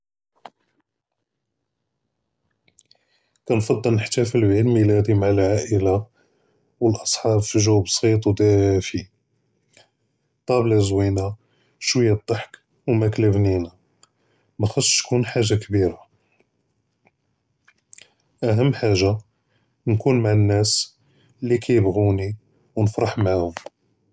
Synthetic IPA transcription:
kænfɑd̪ˤːəlnəħt̪æfilbʕid̪milæd̪imaʕəlʕaʔəla | wəlʔɑsˤħɑbfiʒuwbsˤit̪ˤwd̪ifi | t̪ˤɑblzwina | ʃwəjːæd̪ˤːɑħk | wmækləbnina | mæxɑsːˤt̪kunħaʒːakbiɾa | ʔæɦəmːħaʒːa | nkunmaʕənːæs | lːikʰæjəbɣuni | wnəfɾˤɑħmaʕhʊm

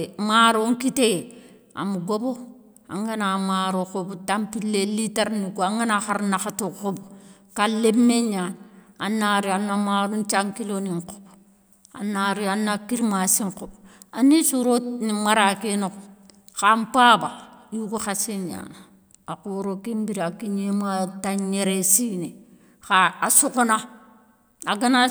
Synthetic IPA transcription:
maɾoŋkite | a̰muɡobo | a̰ŋɡanamaɾokobutampilːeliteɾnikoaŋɡanaxaɾnaxatoxob | kalebmeɲananːaɾianːamaɾunt͡ʃaŋkiloniŋko̥b | a̰naɾianakiɾmasiŋkob | anisuɾonimaɾakinok | xampaːbajukuxasiɲa̰n | akuɾokimbiɾakiɲemataɲeɾesiːne | xaasukuna | aɡana

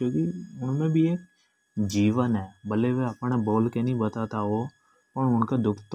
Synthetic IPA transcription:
koːkiʊnmẽbʱieːk | d͡ʒiːʋənɦɛːbəleʋeɐpɽ̃eboːlkenĩbət̪at̪aɦo | pəɳʊnked̪ʊkʰt̪

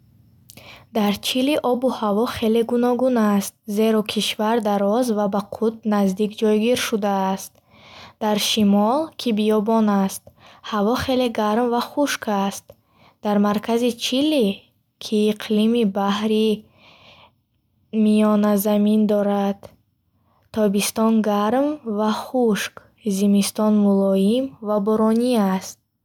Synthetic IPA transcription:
d̪aɾt͡ʃʰiliʔɔbuhavɔχe̞le̞ɡunɔɡunast̪̚ze̞ɾɔkʰiʃvaɾd̪aɾɔzvabaqʰut̪̚nazd̪ikd͡ʒɔjɡiɾʃud̪aːst̪̚ | d̪̥aɾʃimɔlkʰibijɔbɔnast̪̚havɔχe̞le̞ɡaɾmvaχuʃkʰast̪̚ | d̪̥aɾmaɾkʰazit͡ʃʰilːi | kʰiːqʰlimibahɾi | mijɔnazamind̪ɔɾad̪̥ | t̪ʰːɔbist̪ɔnɡaɾmvaχuʃk | zimist̪ɔnmulɔimvabɔɾɔniast̪̚

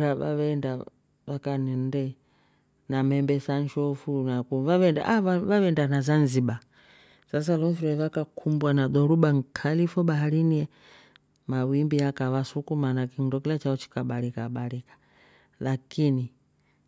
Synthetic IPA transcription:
ɾaβa̰βɛnda | ʋakanɛndɛ | namɛmbɛsanʃɔfunakuvaβɛnda̰ʔaaβaβɛndanazanziɓa | sas̬alɔfiɾɛvakakʰumbwanaɗɔɾuɓaŋ̩kʰalifɔɓaɦaɾiniɛ | mawimbiakawasukumanakindɔkilat͡ʃaɔt͡ʃi̥kaɓalikaɓalikḁ | lakini

